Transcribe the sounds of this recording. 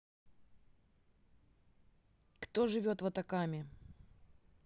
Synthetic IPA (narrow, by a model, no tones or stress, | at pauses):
kt̪o̞ʐɨvʲo̞t̪vɐt̪ɐkamʲɪ